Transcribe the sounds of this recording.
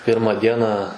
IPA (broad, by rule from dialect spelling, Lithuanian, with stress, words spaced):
ˈpʲɪrmɑː ˈdʲiɛnɑː